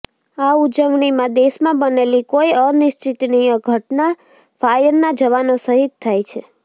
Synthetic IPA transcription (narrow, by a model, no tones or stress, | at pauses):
aud͡ʒəʋɳ̃imãd̪eʃmãbənelikojənɪʃt͡ʃit̪niəɡʱəʈna | fajənːad͡ʒəʋanosəɦit̪t̪ʰːajt͡ʃʰe